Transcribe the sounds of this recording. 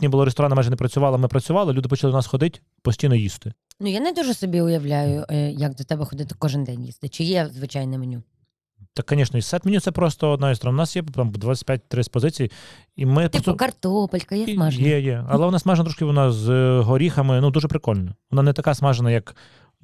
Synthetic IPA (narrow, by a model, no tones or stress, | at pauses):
t̪ʲnʲibʊlˠɔɾest̪ɔɾɑnɐmajʒɛnɛpɾɐt͡sʲʊʋɑlˠɐmɪpɾɐt͡sʲʊʋɑlˠɪlʲud̪ɪpɔt͡ʃɐlˠɪd̪nɑsxɔd̪ɪtʲ | pɔsʲtʲijnɔjist̪ɪnujanɛd̪uʒɛsɔbʲiʊjɐʋlʲajʊjɐk̚d̪ɔt̪ɛbɛxɔd̪ɪt̪ɪ̥kɔʒɪnd̪ɛnʲjḭst̪ɪt͡ʃɪjɛzʋɪt͡ʃajnɛmenʲu | t̪ɑkːɐnʲiʃnɐisɛt̪mɪnʲut̪sɛpɾɔst̪ɔɔd̪nɑjist̪ɔɾɔnʊnɑsjɛt̪ɑmd̪ʋat͡sʲɐ̥t̚ʲpʲjat̚ʲt̪ɾɪsʲpɔzɪt͡sʲiji | imɪkɐrt̪ɔpɐlʲkɐjɛsmaʒjɛjɛɐlˠɛʋɔnɑsmɑʒenɐt̪ɾɔʃkʲɪʋɔnɑzɦɔɾʲixɐmɪnud̪uʒɛpɾɪkɔlʲnɔʋɔnɑnɛt̪ɐkɑsmɑʒenɐjɐk